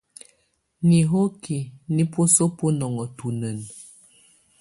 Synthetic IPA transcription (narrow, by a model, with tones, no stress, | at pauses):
ni˨ɦo˦ki˨ni˦po˦so˦po˦nɔ˨ŋɔ˨tu˨nə˨n